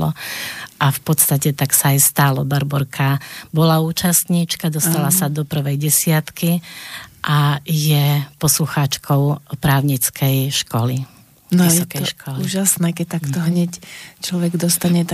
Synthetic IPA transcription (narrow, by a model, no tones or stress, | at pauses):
lɔ̰ʔafpɔt̪st̪acɛt̪aksaːjst̪alɔbaɾbɔɾkʰabɔlauːt͡ʃast̪ɲiːt͡ʃkad̪ɔst̪alasad̪ɔpr̩ʋɛjɟɛsɪat̪ki | ʔajɛpɔsluxat͡ʃkʰɔʊpɾaːʊɲit͡skʰɛjʃkɔli | nijsɔtkɛjʃkɔliuːʒasnɛːkɛc̚t̪akt̪ɔɦɲɛct͡ʃlɔʋɛɡd̪ɔst̪aɲɛt̪